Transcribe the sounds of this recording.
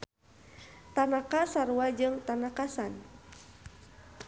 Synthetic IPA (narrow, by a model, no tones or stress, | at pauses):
t̪anakasaɾuad͡ʒɨŋt̪anakasan